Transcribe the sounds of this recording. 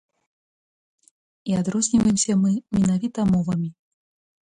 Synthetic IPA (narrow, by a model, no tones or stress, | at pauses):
iad̪ɾɔzʲnʲivɐjɪmsʲɐmɨmʲinavʲit̪ɐmɔvɐmʲi